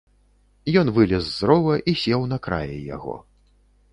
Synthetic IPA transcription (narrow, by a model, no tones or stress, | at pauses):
jɔnvɨlʲɛzzːɾɔvɐʔisʲɛwnɐkɾa̰jɛ̰ja̰ɣɔ̰